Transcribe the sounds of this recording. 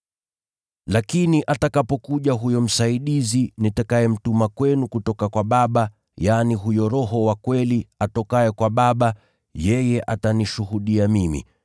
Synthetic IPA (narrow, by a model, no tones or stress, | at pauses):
lakiniʔatakapɔkuʄaɦujɔm̩saiɗizinitakajɛm̩tumakwɛnukutɔkakwaɓaɓa | janiɦujɔɾɔɦɔwakwɛliatɔkaɛkwaɓaɓa | jɛjɛʔataniʃuhuɗiamimḭ